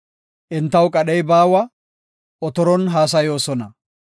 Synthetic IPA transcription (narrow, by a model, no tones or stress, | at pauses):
ʔɪnt̪ːɐwkʼɐɗɛjbaːwɐ | ɔt̪ɔɾɔnɦaːs̬ɐjo̞ːsɔnɐ